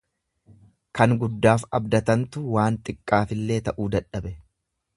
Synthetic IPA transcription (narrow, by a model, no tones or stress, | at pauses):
kɐŋɡʊd̪ːaːfɐbd̪ɐt̪ɐnt̪ʊwaːnt̪ʼɪkʼːaːfɪlːe̞ːt̪ɐʔuːd̪ɐᶑɐbɛ